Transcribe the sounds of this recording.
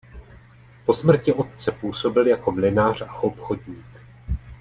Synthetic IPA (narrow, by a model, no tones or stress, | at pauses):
po̞smr̩cɪʔo̞t̪̚t͡sɛpuːso̞bɪljako̞mlɪnaːr̝̥aʔo̞pxo̞dɲiːk